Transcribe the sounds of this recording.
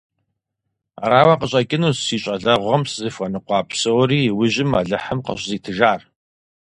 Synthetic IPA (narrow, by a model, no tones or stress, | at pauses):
a̰ɾaːwɐqəɕʼɐkʲʼɪnuːzsiːɕʼɐɮɐʁʷɐmszɨfɐnɨqʷɑːpʰsowriːwʊʑɪma̰ːɮɨħəmqə̰ɕziːtʰɨʒaːr